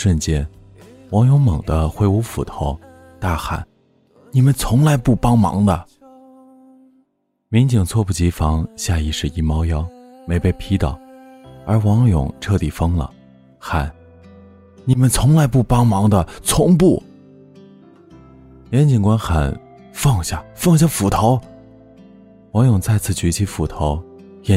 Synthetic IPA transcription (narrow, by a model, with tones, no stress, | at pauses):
ʂwə˥˩nt͡ɕjɛ˥n | wɑ˧˥ŋjʊ˧˥ŋmɤ˨˩ŋd̪ə˦xwe˥˩ɪu˧˥fu˨˩t̪ʰo˧˥ʊ | t̪a˥˩xa̰˨˩˦n | ni˨˩mə˦nt͡sʰʊ˧˥ŋla˧˥ɪpu˥˩pɑ˥ŋmɑ̰˧˥ŋd̪ə˧ | mi˧˥ŋt͡ɕi˨˩ŋt͡sʰwɔ˥˧pu˥˩t͡ɕi˧˥fɑ˧˥ŋɕja˥˧i˥˧ʂɻ̩˥˩i˥˩mɑ˥ʊjɑ˥ʊme˧˥ɪpe˥˩ɪpʰi˧˥t̪ɑ̰˨˩˦ʊə˞˧˥wɑ˧˥ŋjʊ̰˨˩˦ŋʈ͡ʂʰɤ˥˩t̪i˨˩fɤ˥ŋlə̰˨ | xa˨˩˦n | ni˨˩mə˦nt͡sʰʊ˧˥ŋla˧˥ɪpu˥˩pɑ˥ŋmɑ˧˥ŋd̪ə˧t͡sʰʊ˧˥ŋp̬u˥˩ | jɛ˧˥nt͡ɕi˨˩ŋkwa˥nxa̰˨˩˦n | fɑ˥˧ŋɕja˥˩fɑ˥˧ŋɕ̬ja˥˩fu˨˩t̪ʰo˧˥ʊ | wɑ˧˥ŋjʊ˨˩ŋt͡sa˥˧ɪt͡sʰɹ̩˥˩t͡ɕy˧˥t͡ɕʰi˧˥fu˨˩t̪ʰo˧˥ʊ | jɛ˧˥